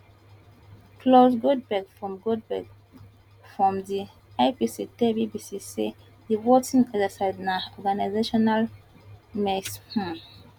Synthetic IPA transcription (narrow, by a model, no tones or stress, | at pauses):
klosɡot̚bɛkfɹɔ̃mɡot̚bɛk | fɹɔ̃mdi | aɪpisitɛbibisisḛ | diwɔtĩnɔdasaɪdnaɔɡanaɪzeʃɔnal | mɛkshã